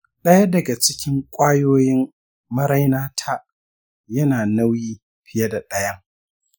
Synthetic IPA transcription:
ɗɐ˦jɐ˦dɐ˨ɡa˨t͡ʃɪ˦kʲɪ˦ŋkʷʼaː˦joː˦jɪ˦m | mɐ˦ɾa˦jnaː˦tʰaː˦ | jɐ˦naː˨na˦wjiː˦ | ɸɪ˦jɐ˦da˨ɗɐ˦jɐ˦ŋ

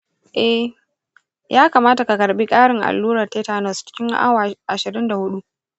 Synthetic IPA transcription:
ʔɛ˦h | jʔaː˦kaː˨maː˦ta˨ka˨kɐ˨ɾɓi˦kʼaː˦ɽɪ˨ŋʔa̰˨lːuː˦ɾɐ˨teː˦taː˨nɔ˨st͡ʃɪ̥˦kʲɪ˦ŋa̰˦wʔa˨ʃɪ˨ɾɪ˦nda˨hʊ˦ɗu˦ʔ

